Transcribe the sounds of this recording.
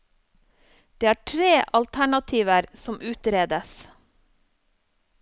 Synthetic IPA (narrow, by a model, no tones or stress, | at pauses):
d̪̥eːæːʈʰɾeːʔɑlt̪ʰæɳɑt̪ʰiːʋəɾsɔmʔʉːt̪ɾeːd̪əs